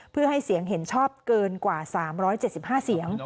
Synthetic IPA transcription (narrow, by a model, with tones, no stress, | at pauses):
pʰɯ˥˩ɐha˥˩jsi˩˦əŋɦe˩˦nt͡ɕʰɔː˥˩p̚kɤː˧nkwaː˨˩saː˩˦mɾɔː˦˥jt͡ɕe˨˩t̪̚si˨˩p̚haː˥˩si˩˦əŋ